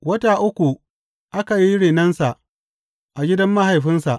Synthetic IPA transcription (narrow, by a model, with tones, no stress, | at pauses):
wɐ˦taː˨ʔʊ˦kʷu˨ | ʔa˦ka˨ji˦ɽeː˨nɐ˦nsa˨ʔ | ʔa˨ɡʲɪ˦dɐ˦mːa˦ɦa˨jɸɪ˦nsa˨ʔ